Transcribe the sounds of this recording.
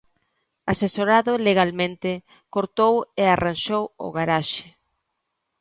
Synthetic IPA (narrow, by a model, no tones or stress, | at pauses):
asesoɾaðʊleɣalmẽnt̪ɪ | koɾt̪owearʔanʃowʊ̰ɣaɾaʃɪ̥